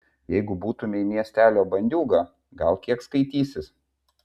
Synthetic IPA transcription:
jɛɪɡʊbuːt̪ʊmʲɪɪmʲiɛsʲt̪ʲæːlʲoːbɐnʲd̪ʲuːɡɑː | ɡɐlˠkʲiɛkskɐɪt̪ʲiːsʲɪs

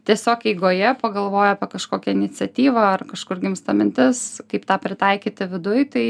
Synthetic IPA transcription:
t̪ʲiɛsʲoːkɛɪɡoːjɛpɐɡɐlˠʋoːjʊɐpʲɛkɐʃkoːkʲɛɪnʲɪt͡sʲɛt̪ʲiːʋɐɐrkɐʃkʊɾɡʲɪmst̪ɐmʲɪnʲt̪ʲɪskɐɪpt̪ɑːpʲɾʲɪt̪ɐɪkʲiːt̪ʲɪʋʲɪd̪ʊjt̪ɐɪ

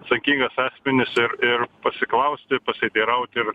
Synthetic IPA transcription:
ɐt̪sɐŋʲkʲiŋɡɐsɑːsʲmʲɪnʲɪsɪɾɪrpɐsʲɪklˠɐʊsʲt̪ʲɪpɐsʲɪɐt̪ʲiːɾɐʊt̪ʲɪɾ

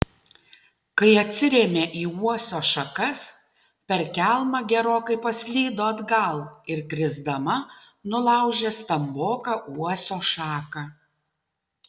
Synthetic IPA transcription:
kɐɪɐt̪ʲsʲɪɾʲeːmʲeːʔiːuɔsʲoːʃɐkɐs | pʲɛɾkʲælˠmɑɡʲɛɾoːkɐɪpɐsʲlʲiːd̪oːɐd̪ɡɐlˠɪɾkɾʲɪzd̪ɐmɐ | nʊlˠɐˑʊʒʲeːst̪ɐmboːkɑʔuɔsʲoːʃɑːkɑ

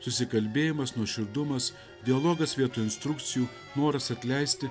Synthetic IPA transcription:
sʊsʲɪkɐlʲbʲeːjɪmɐsnuɔʃʲɪɾd̪ʊmɐs | d̪ʲɪɐlˠoːɡɐsʋʲiɛt̪uːɪnst̪ɾʊk̚t̪sʲɪjuː | noːɾɐsɐt̪ʲlʲɛɪsʲt̪ʲɪ

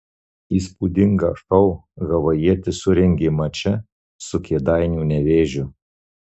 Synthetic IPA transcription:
iːspuːd̪ʲɪŋɡɐ̰ʃɐʊɣɐʋɐjiɛt̪ʲɪsʊɾʲɛŋʲɡʲeːmɐt͡ʃʲɛ | sʊkʲeɛd̪ɑɪnʲuːnʲɛʋʲeːʒʲʊ

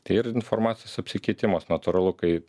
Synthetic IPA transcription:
ɪɾɪnfoɾmɑːt̪sʲɪjoːsɐpʲsʲɪkʲɛɪt̪ʲɪmoːsnɐt̪ʊɾɐlˠʊkɐɪ

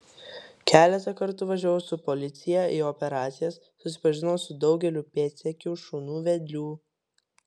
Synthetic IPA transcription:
kʲʰæːlʲɛt̪ɐkɐɾt̪ʊʋɐʒʲæːʋoːsʊpɔlʲɪt̪sʲɪjɛʔiːɔpʲɛɾɑːt̪sʲɪjɛsːʊsʲɪpɐʒʲɪnosʊd̪ɒʊɡʲɛlʲuːpʲeːt̪ʲsʲɛkʲuʃuːnuːʋʲɛd̪ʲlʲuː

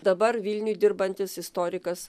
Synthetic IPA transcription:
d̪ɐbɐɾʋʲɪlʲnʲʊjd̪ʲɪɾbɐnʲt̪ʲɪsɪst̪ɔːɾʲɪkɐs

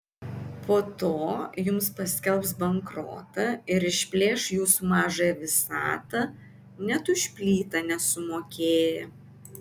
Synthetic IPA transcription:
poːt̪oːjʊmspɐsʲkʲɛlˠpsbɐŋkɾo̰ːt̪ɐɪɾɪʃʲpʲlʲeːʃjuːsumɑːʒɐjɛʋʲɪsɑ̰ːt̪ɐ | nʲɛt̪ʊʃʲpʲlʲiːt̪ɐnʲɛsʊmoːkʲeːjɛ

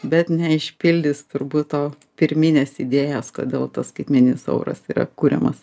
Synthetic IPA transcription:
bʲɛt̪nʲɛɪʃʲpʲɪlʲd̪ʲɪst̪ʊɾbuːt̪oː | pʲɪɾʲmʲɪnʲeːsid̪ʲeːjoːsko̰ːd̪ʲeːlˠt̪ɐsskɐɪt̪ʲmʲɛnʲɪnʲɪsɐ̰ʊɾɐ̰siːɾɐ̰kuːɾʲɛ̰mɐs

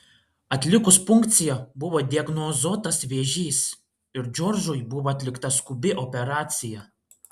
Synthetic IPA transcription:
ɐt̪ʲlʲɪkʊsfʊŋkt̪sʲɪjɛbʊʋoːd̪ʲiɐɡnɔzoːt̪ɐsʋʲeɛʒʲiːs | ɪɾd͡ʒʲɔɾʒʊjbʊʋoːɐt̪ʲlʲɪkt̪ɐskʊbʲɪʔɔpʲɛɾɑːt̪sʲɪjɛ

